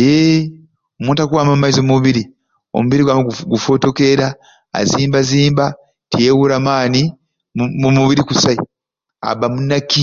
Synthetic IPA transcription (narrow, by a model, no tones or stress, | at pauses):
je | omũːntakuwaːmammːaizo̞muβiɾi | o̰muβiɾiɡwaɡufo̞to̞ke̞ɾa̰ː | ziːmbaziːmba | tijewuɾamaːni | mumuβiɾikusai | a̰βamunːaki